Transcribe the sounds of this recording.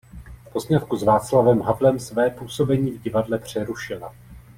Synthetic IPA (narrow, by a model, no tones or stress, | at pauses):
fpo̞zɲat̪kuzvaːt͡slavɛmɦavlɛmsvɛːpuːso̞bɛɲiːvɟɪvadlɛpr̝̥ɛɾuʃɪla